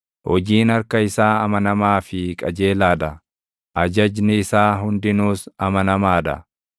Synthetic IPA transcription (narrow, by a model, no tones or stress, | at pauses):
hɔd͡ʒiːnɐɾkɐɪsaːɐmɐnɐmaːfɪkʼɐd͡ʒe̞ːlaːd̪ɐ | ʔɐd͡ʒɐd͡ʒnɪɪsaːɦʊnd̪ɪnuːsɐmɐnɐmaːd̪ɐ̰